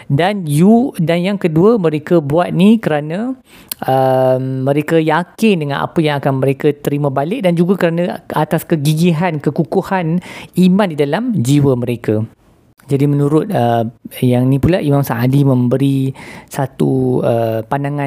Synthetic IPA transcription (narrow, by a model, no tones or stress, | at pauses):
danjudanjaŋkəduəmə̃ɾekəbuat̪̚nikəɾanə̃ | ʔəmːə̃ɾekajakɪndəŋãna̰pəjaŋakanməɾekat̪əɾimãbalɪk̚dand͡ʒuɡakəɾanãat̪askəɡiɡiɦankəkukuhanimãndidalamd͡ʒiwəmə̃ɾeka | d͡ʒadimə̃nũɾʊt̪̚əjaŋnĩpulaʔimamsaŋʔadimə̃mbəɾisat̪uəpanaŋã